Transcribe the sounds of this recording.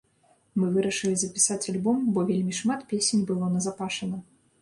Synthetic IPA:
mɨvɨɾɐʂɨlʲizɐpʲi̥sat͡sʲalʲbɔmbɔvʲelʲmʲiʂmat̪pʲesʲenʲbɨlˠɔnɐzapaʂɐnɐ

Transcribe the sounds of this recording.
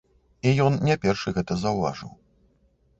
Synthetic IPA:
ijɔnnʲɛpʲɛrʂɨɣɛt̪ɐzɐwva̰ʐɨ̰w

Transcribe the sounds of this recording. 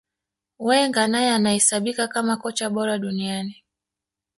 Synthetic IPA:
wɛŋɡanajɛanahɛsaɓikakamakɔt͡ʃaɓɔɾaɗuniani

